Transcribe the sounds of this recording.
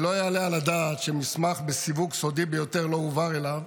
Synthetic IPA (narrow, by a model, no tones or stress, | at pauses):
lo̞ajaːlealad̪aːt̪ʃemismaχbesivuɡso̞d̪ibejo̞t̪e̞ʁlo̞uvaʁelav